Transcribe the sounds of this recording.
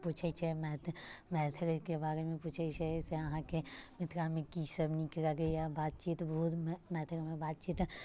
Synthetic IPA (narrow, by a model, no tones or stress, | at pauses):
pʊt͡ʃʰəit͡ʃʰɛmɛt̪ʰmɛːt̪ʰəɾkebaːɾemẽpʊt͡ʃʰəit͡ʃʰɛseɐɦãkemɪt̪ɾamẽkisəbnikəɾaɡejabaːt̪̚t͡ʃiːt̪bɐɦʊt̪mɛːt̪ʰəkmẽbaːt̪̚t͡ʃiːt̪